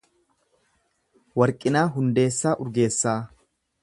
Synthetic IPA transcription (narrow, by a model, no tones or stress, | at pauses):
wɐɾkʼːɪnaːɦʊnd̪e̞ːsːaːʔʊɾɡe̞ːsːaː